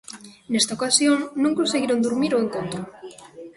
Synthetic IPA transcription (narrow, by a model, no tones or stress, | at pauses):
nest̪aokasjoŋnũŋkonseɣiɾond̪uɾmiɾoeŋk̪ont̪o